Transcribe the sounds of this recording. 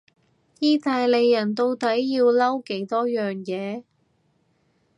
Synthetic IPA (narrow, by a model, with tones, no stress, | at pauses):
jiː˥t̪aː˧jle˨jːɐ˨˩nt̪o˧wt̪ɐ˨˥jːiː˧wlɐ˥wke˨˥jt̪ɔː˥jœː˨ŋjɛː˨˧